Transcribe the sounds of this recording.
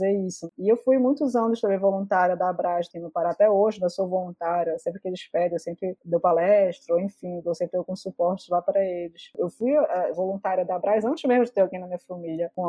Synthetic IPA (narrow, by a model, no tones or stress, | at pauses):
zeisʊɪewfujmũj̃t̪ʊzɐ̃nʊʃt̪ɐ̃mẽj̃volũnt̪aɾjɐd̪ɐːbɾajʃt̪ẽj̪̃ʊpaɾaat̪ɛoʒɪñwsovolũnt̪aɾjɐsẽpɾɪkɪelɪʃpɛd̪ẽewsẽmpɾɪd̪ewpalɛʃt̪ɾoẽfĩd̪ewsẽpɾɪd̪ewkũsupɔɾt͡ʃɪ̥zlapɾɐelɪsewfujʔɛvolũt̪aɾiɐd̪aːbɾajzɐ̃nt͡ʃɪzmeʒmʊd͡ʒɪt̪eɾawɡẽj̃nɐmĩɲɐfɐmilɐkõ